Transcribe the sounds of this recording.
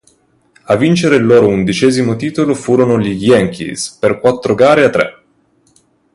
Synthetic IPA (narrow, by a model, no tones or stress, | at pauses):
avːint͡ʃeɾelːoːɾound̪it͡ʃɛːzimot̪iːt̪olofuːɾonoliɡjɛŋkḭsperkwat̪ːɾoɡaːɾeat̪ːɾɛ̰